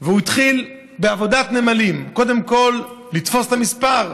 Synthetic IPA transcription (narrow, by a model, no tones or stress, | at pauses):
veuit̪χil | beavo̞d̪at̪nemalimko̞d̪emko̞lː | it̪fo̞stamispaʁ